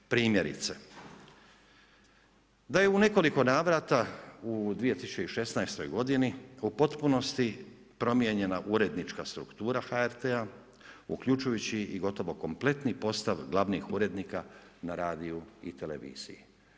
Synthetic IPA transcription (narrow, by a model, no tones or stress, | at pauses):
pɾiːmje̞ɾḭt̪se̞ | d̪aje̞une̞ko̞liko̞naːʋɾat̪aud̪ʋije̞t̪isut͡ʃeiʃe̞snajst̪o̞̰jɡo̞d̪iniupo̞t̪puno̞st̪i | pɾo̞mjeɲe̞naʔuɾe̞d̪nit͡ʃkast̪ɾṵkt̪uːɾaxaeɾt̪ea | ṵkʎut͡ʃujut͡ɕiiɡo̞t̪o̞ʋo̞ko̞mple̞t̪nipo̞st̪aʋɡlˠaʋnixuɾe̞d̪nikanaɾaːd̪iuḭt̪e̞le̞̰ʋḭːz̥ḭji